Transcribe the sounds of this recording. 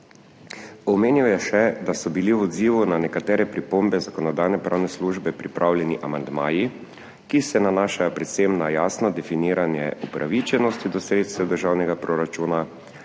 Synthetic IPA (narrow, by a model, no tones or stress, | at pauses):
ɔmeːniwjɛʃɛd̪asɔbiliwɔd̪ziːʋunanɛkat̪ɛːɾɛpɾipombɛzakɔnɔd̪ajnɛpɾʔaːwnɛsluʒbɛpɾipɾʔaːwljɛniʔamand̪maːji | kisɛnanaːʃajɔpɾɛt̪semnajaːsnɔd̪ɛfiniːɾanjɛ̰upɾʔa̰ʋit͡ʃɛnɔst̪id̪ɔsɾeːt̪st̪ɛd̪əɾʒaːwnɛɡapɾɔɾat͡ʃuːna